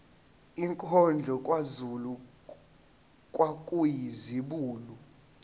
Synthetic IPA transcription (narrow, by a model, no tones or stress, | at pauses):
iŋkʰʼɔnd͡ɮʱɔkʼwazulu | kʼwakʼujiziɓuːlu